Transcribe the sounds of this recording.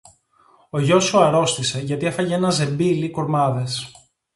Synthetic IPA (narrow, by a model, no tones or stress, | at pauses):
o̞ʝo̞suɐɾo̞st̪ise̞ʝɐt̪iefɐʝee̞nɐze̞mbilikuɾmɐðe̞s